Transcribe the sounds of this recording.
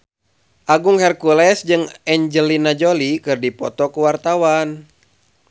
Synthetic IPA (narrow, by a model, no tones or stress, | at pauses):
ʔaɡuŋhɛrkulɛsd͡ʒɨŋɛɲd͡ʒəlinad͡ʒolikɨrdipɔt̪ɔkuwart̪awan